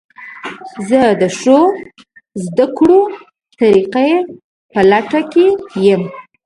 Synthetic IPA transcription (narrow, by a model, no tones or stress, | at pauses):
zəd̪əʂo | zd̪akɽo | t̪aɾiqa | pəlaʈakejəm